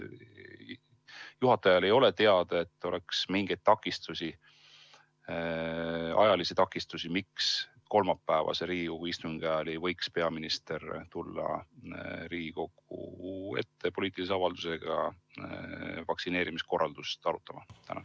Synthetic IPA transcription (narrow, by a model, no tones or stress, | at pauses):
juɦɑt̪ːˑɑjɑle̞jo̞le̞t̪e̞ɑd̪̥ɑe̞t̪ːo̞le̞ksmiŋɡ̥e̞jd̪̥̚t̪ːɑkːˑist̪usi | ɑ̰jɑlisit̪ɑkːˑist̪usimiks | ko̞lmɑpːæːvɑ̰seɾiːɡiko̞ɡ̥uist̪uŋɡ̥æɑlivɤjkspe̞ɑminist̪e̞rt̪ulːɑ̰ | ɾiːɡiko̞ɡ̥ṵe̞̰t̪ːe̞po̞liːt̪ːˑilis̬eɑvɑld̪̥use̞ɡ̥ɑ | vɑksineːɾimisko̞rːɑld̪̥ust̪ɑɾut̪ːˑɑmɑt̪ʰæ̰nɑ̰